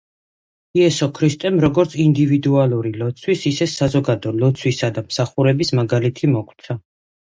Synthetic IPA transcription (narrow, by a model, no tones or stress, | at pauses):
iɛsɔkʰɾist̪ʼɛmɾɔɡɔɾt̪sʰind̪ivid̪ualˠuɾilɔt̪sʰwisisɛsazɔɡad̪ɔlɔt̪sʰwisad̪amsaχuɾɛbismaɡalit̪ʰimɔkʰt̪sʰa